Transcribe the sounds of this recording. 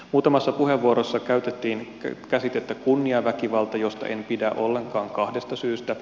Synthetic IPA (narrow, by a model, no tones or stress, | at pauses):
muːt̪ɑmɑsːɑpuhe̞ʋʋuoɾosːɑkæyɥt̪et̪ːiːn | kæsit̪et̪ːækunːiɑʋækiʋɑlt̪ɑjo̞st̪ɑ̰ʔempidæʔo̞lːe̞ŋkɑːŋkɑhde̞st̪ɑsyːst̪æ